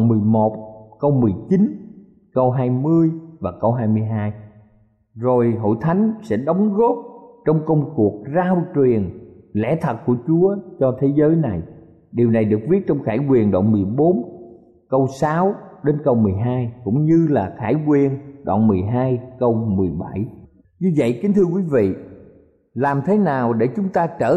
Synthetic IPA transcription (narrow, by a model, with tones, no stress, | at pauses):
nmɨ˨˩əjmo˨˩t̚kə˧wmɨ˨˩əjt͡ɕi˨˦n | kə˧wɦaː˧jmɨ˧əjvaː˨˩kə˧wɦaː˧jmɨ˧əjɦaː˧j | zo˨˩jɦo̰˧˨jt̪ʰa˨˦jŋ̟sɛ̰˧˥ɗə˨˦wŋ͡mɣo˦˥p̚t͡ɕɔ˧wŋ͡mkə˧wŋ͡mku˨˩ək̚zaː˧wt͡ɕwi˨˩ənlɛ̰˧˥˩t̪ʰə˨˩t̚ku˧˩ət͡ɕu˨˦ət͡ɕɔ˧t̪ʰe˨˦zəː˨˦jna˨˩j | ɗi˨˩əwna˨˩jɗɨ˨˩k̚vi˦˥ət̚t͡ɕɔ˧wŋ͡mxaː˧˩jkwi˨˩ənɗa̰ː˧˨nmɨ˨˩əjɓo˨˦n | kə˧wsaː˨˦wɗe˨˦nkə˧wmɨ˨˩əjɦaː˧jkʊ̰˧˥ŋ͡mɲɨ˧laː˨˩xaː˧˩jkwi˧˩ənɗwa̰ː˧˨nmɨ˨˩əjɦaː˧jkə˧wmɨ˨˩əjɓa˧˩j | ɲɨ˧və̰˧˨jkï˨˦ŋ̟t̪ʰɨ˧əkwi˨˦vḭ˧˨ | laː˨˩mt̪ʰe˨˦naː˨˩wɗe˧˩t͡ɕʊ˨˦ŋ͡mt̪aː˧t͡ɕəː˧˩